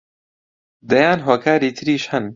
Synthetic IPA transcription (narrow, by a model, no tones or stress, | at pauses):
d̪ɐjaːnɦoːkʰaːɾiːt̪ʰɨɾiːʃhɐn